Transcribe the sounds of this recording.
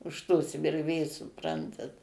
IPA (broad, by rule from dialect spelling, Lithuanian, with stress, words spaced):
ʊʃ toːs ʋʲɪrʲˈʋʲeːs sʊˈprɐntɐt